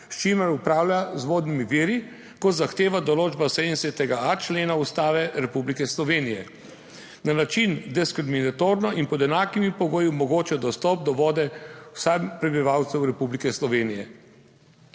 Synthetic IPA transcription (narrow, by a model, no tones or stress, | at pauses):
ʃt͡ʃimaɾupɾaːwlʲazʋoːd̪nimiʋiːɾi | kɔt̪zaxt̪eːʋad̪ɔloːd͡ʒbasɛd̪nsɛt̪ɛɡaat͡ʃleːnaust̪aːʋɛɾɛpublikɛslɔʋeːnijɛ̰ | nanat͡ʃind̪ɛskɾiminat̪oːɾnɔʔinpɔd̪ɛnaːkimipɔɡoːjumɔɡoːt͡ʃɛd̪ɔst̪ɔp̚d̪ɔʋɔːd̪ɛwsapɾɛbiʋawt̪sɛwɾɛpublikɛslɔʋeːnijɛ